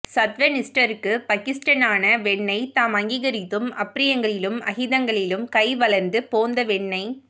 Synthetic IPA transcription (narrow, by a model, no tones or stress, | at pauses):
sɐt̪ʋɐnɪsʈɐɾɯkːɯpɐkɪsʈɐnaːnɐʋɛɳːɐɪt̪aːmɐŋɡiːɣɐɾɪt̪ːɯmɐpːɪɾɪjɐŋɡɐɭɪlɯmɐɣɪðɐŋɡɐɭɪlɯmkɐɪʋɐɭɐɾnd̪ɯpoːnd̪ɐʋɛɳːɐɪ